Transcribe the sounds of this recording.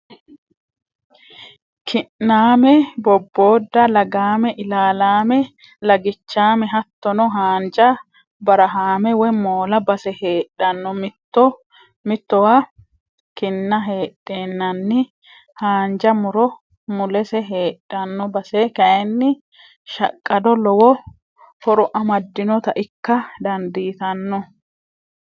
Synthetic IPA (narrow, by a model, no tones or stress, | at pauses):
kʰɪnnaːmɛbɔbːoːd̪ːɐlɐɡaːmɛʔɪlaːlaːmɛ | lɐɡɪt͡ʃːaːmɛɦɐt̪ːɔnɔɦaːnd͡ʒɐ | bɐɾɐɦaːmɛwɛmoːlɐbɐsɛheːɗɐnːɔmɪt̪ːɔ | mɪt̪ːɔwa | kɪnːɐɦeːɗːeːnːɐnːɪ | haːnd͡ʒɐmʊɾɔ | mʊlɛsɛɦeːᶑːɐnːɔbɐsɛkɐjɛnːɪ | ʃɐ̰kʼːɐd̪ɔlɔwɔ | fɔɾʊʔɐmɐd̪ːɪnɔt̪ɐʔɪkːɐd̪ɐnd̪iːt̪ɐnːɔ